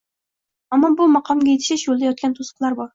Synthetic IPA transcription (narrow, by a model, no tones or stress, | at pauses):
amːɒbʊmɑqʰɒmɡʲajet̪ʰɪ̥ʃɪʃjolˠd̪ajɒt̪̚kʲant̪ʰosə̥qlˠaɾbɒɾ